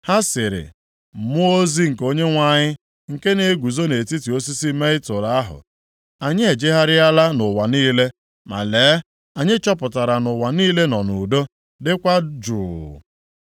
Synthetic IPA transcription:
ha˦sɪ˨ɾɪ̰˨ | mʊ˦o˦zi˦ŋ̩˨ko˦ɲe˦ŋʷa˦˨ɲɪ˦ | ŋ̩˨ke˦ne˨˦ɡʷu˨zo˦ne˨ti˦ti˨o˦si˦si˦me˦ɪ˦tʊ˨ɾa˨a˦ɦʊ̰˨ | a˨ɲɪ˦e˨d͡ʒɪ˦ɦa˦ɾɪ˦a˦la˦nʊ˨wa˨niː˦le˦ | ma̰˨leː˨˦ | a˨ɲɪ˦t͡ʃɔ˦pʊ˨ta˨ɾa˨nʊ˨wa˨niː˦le˦nɔ˨nu˨do˦ | dɪ˦kʷa˦d͡ʒuː˨

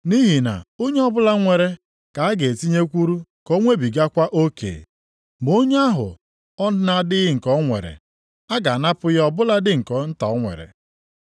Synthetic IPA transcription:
ni˦ɦi˨na̰˨o˦ɲe˦ɔ˦bʊ˦la˦ŋʷe˨ɾe˨ | ka˨a˦ɡe˨ti˦ɲe˦kʷu˦ɾu˦ko˦ŋʷe˦bi˨ɡa˦kʷa˦ʔo˦kʰḛː˨ | mo˦ɲ˦a˦ɦʊ̰˨ | ɔ˦na˦dɪ˦ɣɪ˦ŋ̩˨kɔ˨˦ŋʷḛ˨ɾḛ˨ | a˦ɡa˨na˦pʊ˦jɔ˦bʊ˦la˦dɪ˦ŋ̩˨kɔ˨n̩˦ta̰˨ɔ˦ŋʷḛ˨ɾḛ˨

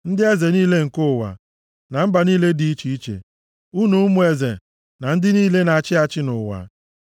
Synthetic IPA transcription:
n̩˦dɪ˦e˦ze˨niː˦le˦ŋ̩˨kʊ˦˨wa̰˨ | na˨m̩˦ba˨niː˦le˦di˨i˦t͡ʃi˨i˦t͡ʃḛ˨ | u˦nu˨˦mu˨e˨zḛ˨ | na˨n̩˦dɪ˦niː˦le˦na˨t͡ʃɪ˦a˨t͡ʃɪ˦nʊ̰˨wa̰˨

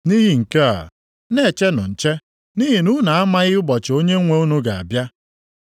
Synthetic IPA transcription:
ni˦ɦi˨ŋ̩˨ke˦a̰˨ | ne˦˨t͡ʃe˦nʊ̰˨n̩˨t͡ʃe˦ | ni˦ɦi˨nu˦na˨a˦ma˦ɣɪ˦ʊ˦bɔ˨t͡ʃɪ˨o˦ɲe˦ŋʷe˦u˦nu˦ɡa˨a̰˨bja˦

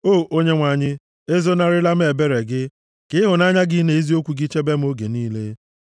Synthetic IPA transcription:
oː˦˨ʔo˦ɲe˦ŋʷa˨ɲɪ˦ | e˦zo˦na˦ɾɪ˦la˦m̩˦e˨be˦ɾe˨ɡɪ˦ | kɪ˦ɦʊ˨na˦ɲa˦ɡɪ˦ne˨i˦zi˦o˦kʷu˨ɡi˦t͡ʃe˦be˦m̩˦o˦ɡe˨niː˦le˦

